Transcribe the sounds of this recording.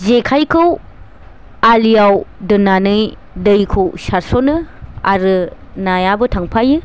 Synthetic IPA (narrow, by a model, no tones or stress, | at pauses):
zekʰajkʰɯw | alijawdɯnanɯj | dɯjkʰɯwsaɾsonɯa̰ɾɯ | najabɯtʰaŋpʰajɯ